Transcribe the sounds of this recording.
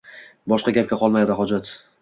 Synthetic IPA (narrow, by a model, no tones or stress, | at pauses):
bɒʃqɑɡʲap̚kʲaqʰɒlˠmajad̪ɪɦɒd͡ʒat̪